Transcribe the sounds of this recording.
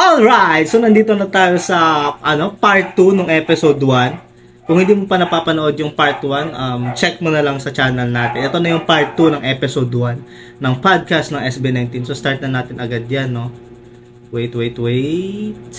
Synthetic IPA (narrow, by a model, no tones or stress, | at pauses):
ʔolɹajt̪̚so̞nɐnd̪iːt̪o̞nɐt̪aːjo̞sɐʔɐno̞paɹt̪ːunoŋʔɛːpɪsod̪wan | kʊŋhɪnd̪iːmopɐnɐpaːpɐnoʔo̞d̪̚jʊŋpaɹt̪wanʔɐmt͡ʃɛk̚monɐlɐŋsɐt͡ʃaːnɐlnaːt̪ɪnʔɛt̪o̞nɐjʊŋpaɹt̪ːunɐŋʔɛːpɪsod̪wanː | ɐŋpad̪̚kast̪nɐŋʔɛsbinajnt̪insost̪aɹt̪̚nɐnaːt̪ɪnɐɡad̪janːo̞ | wejt̪wejt̪wejt̪